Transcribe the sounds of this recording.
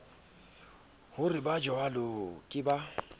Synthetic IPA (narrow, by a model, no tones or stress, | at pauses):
hʊrɪbad͡ʒɔalokʼɪba